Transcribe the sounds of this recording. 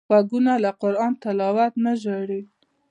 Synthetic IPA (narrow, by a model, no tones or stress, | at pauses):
waɡunalaqʊɾɑnt̪ɪlɑwat̪naʒəɽi